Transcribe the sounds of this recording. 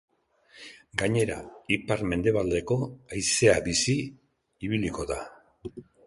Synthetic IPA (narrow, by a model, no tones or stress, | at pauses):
ɡaɲe̞ɾa̰ipaɾme̞nd̪e̞β̞ald̪e̞ko̞ajse̞abisi | iβiliko̞ða